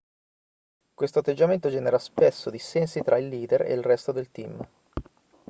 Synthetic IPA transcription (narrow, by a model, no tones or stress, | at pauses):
kwest̪oat̪ːed͡ʒːament̪od͡ʒɛːneɾaspesːod̪isɛnsit̪ɾʔailːiːd̪erḛilrɛst̪od̪elt̪im